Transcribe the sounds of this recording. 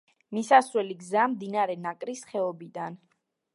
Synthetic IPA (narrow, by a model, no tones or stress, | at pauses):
misasɾwɛliɡzamd̪inaɾɛnakʼɾisχɛɔbid̪an